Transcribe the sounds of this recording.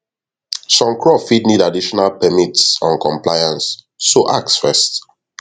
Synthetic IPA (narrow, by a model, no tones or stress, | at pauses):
sɔ̃mkʰɹɔfidnidadiʃɔnalpɛmitsɔ̰̃nkʰɔ̃mplajãnsː | oʔaksfɛst